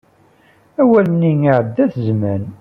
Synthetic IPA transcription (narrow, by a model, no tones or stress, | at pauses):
æwælniŋiʕəd̪ːæθəzmæn